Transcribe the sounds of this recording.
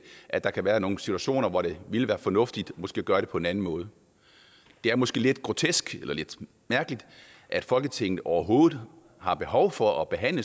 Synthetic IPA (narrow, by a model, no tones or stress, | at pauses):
ʔæd̥ɑ̈kʰæʋæːɐno̝ːn̩sit͡sʰuæɕo̝̰ːnɐʋɒɾ̥e̝ʋiləʋæːɐfɒ̽nɔ̽fd̥id̥mɒsɡ̥e̝ːɡ̥ɶːɐɾ̥e̝pʰɔ̽e̝næn̩mɔ̽ːð̞ˠə | d̥e̝æɐmɒ̽sɡ̥e̝̰ːle̝d̥ɡ̥ʁo̝t͡sʰesɡ̥elɐle̝d̥ | mæɐɡ̥əlid̥ | ʔæd̥fɒ̽lɡ̥ət͡sʰeŋ̰ð̩ˠɒʊɐɦo̝ːð̩ˠ | hɑ̈b̥e̝ɦɒʊfɒ̽ɒ̽b̥e̝ɦæn̰lə